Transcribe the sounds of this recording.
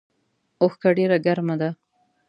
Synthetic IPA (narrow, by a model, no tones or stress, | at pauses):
oxkaɖeɾaɡaɾmad̪a